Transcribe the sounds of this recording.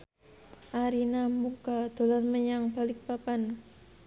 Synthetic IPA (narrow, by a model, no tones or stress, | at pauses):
ʔaɾinamukad̪̥o̤lɔrməɲaŋb̥a̤lɪk̚papan